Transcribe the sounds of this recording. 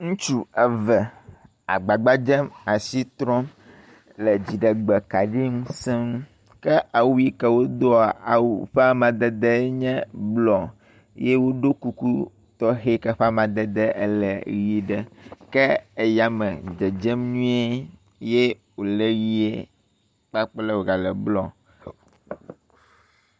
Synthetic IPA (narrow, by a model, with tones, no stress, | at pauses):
ŋũ˦t͡ʃu˦ɛ˨vɛ˨ | a̰˨ɡ͡ba˨ɡ͡ba˦d͡ʒɛ˦ma˨si˦t̪ɾɔ̃˦m | lɛ˨d͡ʑi˨ɖɛ˨ɡ͡bɛ˨ka˨ɖi˦ŋũ˦sɛ˦ŋũ˦ | kɛ˦ʔa˨wu˦i˦kɛ˨wo˦d̪o˦˨a˨wu˨ɸa˦mã˨d̪ɛ˨d̪ɛ˦ɲɛ̃˦blɔ˨ | je˦wo˦ɖo˦ku˦ku˦ | t̪ɔ˦ɦe˦kɛ˦ɸa˦mã˨d̪ɛ˦d̪ɛ˦ʔḛ˦lɛ˨ɣi˦ɖɛ˦kɛ˦e˨ja˦mɛ̃˨d͡ʒɛ˨d͡ʒɛ˦mɲũ˦e˦ | je˦ | wo˨lɛ˦ɣi˦e˦ | k͡pa˦k͡plɛ˦wo˨ɡa˨lɛ˨blɔ˨